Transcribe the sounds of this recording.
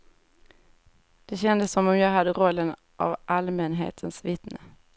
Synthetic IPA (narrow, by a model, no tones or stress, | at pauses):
d̪̥ɛɕɛnd̪əsːɔmɔmjɑːɡɦad̪ːəɾɔlːən | ʔa̰vʔalmənɦḛːt̪ʰənsvɪt̪nə